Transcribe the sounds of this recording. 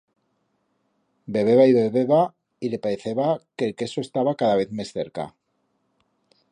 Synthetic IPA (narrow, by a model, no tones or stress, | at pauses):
be̞β̞e̞βaiβeβeβa | ile̞paeθeβakelke̞soest̪aβakaðaβ̞e̞θmesθe̞̰ɾka̰